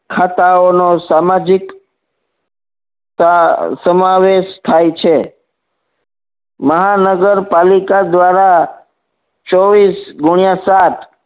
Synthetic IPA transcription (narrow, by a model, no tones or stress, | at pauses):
kʰat̪aonosamad͡ʒik | asəmaʋeʃt̪ʰajt͡ʃʰe | məɦanəɡəɾpalikad̪ʋaɾa | t͡ʃɔʋisɡʊɳijasat̪ʰ